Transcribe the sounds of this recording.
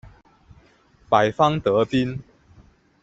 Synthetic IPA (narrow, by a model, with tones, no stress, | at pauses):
pa˨˩ɪfɑ˦ŋt̪ə˨˦pi˦n